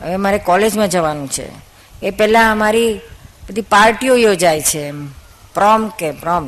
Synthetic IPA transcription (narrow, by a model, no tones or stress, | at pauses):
ɦə̰ʋemaɾekɔled͡ʒmãd͡ʒəʋanũt͡ʃʰḛ | epɛlãəmaɾibəd̪ʱipaɾʈiojod͡ʒajt͡ʃʰe | pɾɔmkepɾɔm